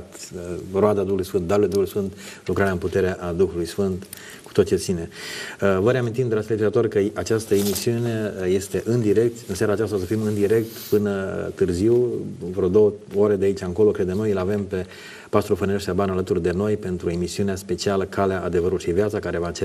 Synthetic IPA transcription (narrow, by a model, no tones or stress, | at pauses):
t̪ɾoad̪ad̪uxulujsfɨnt̪̚d̪aɾuled̪uhuluijsfɨnt̪lukɾaɾeɨnput̪e̞ɾe̞ʔad̪uxulujsfɨnt̪ | ku̥t̪ot͡ʃet̪sine̞ | vəɾeamint̪̬imd̪ɾaslet͡ʃizat̪o̞rkəat͡ʃast̪əemisiune̞je̞st̪e̞ʔɨnd̪iɾe̞k̚t̪ɨnsjaɾaːt͡ʃast̪as̬əfimɨnd̪iɾe̞k̚t̪pɨnət̪ɨrziwvɾo̞d̪o̞wəoɾed̪eait͡ʃaŋko̞lo̞kɾe̞d̪enojɨlave̞mpe̞ | past̪ɾofonieʃabanalət̪urd̪e̞no̞jpe̞nt̪ɾue̞misiuneaspe̞t͡ʃialəkʰaleaʔːd̪e̞vəɾulʃivjat̪sakaɾe̞vat͡ʃe